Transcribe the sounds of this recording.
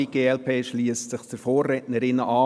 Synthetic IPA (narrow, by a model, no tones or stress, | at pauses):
iɡ̥eːɛlpʰeːʃliəssɪχdəɾfoːrːɛːtnəɾɪnəʔɑː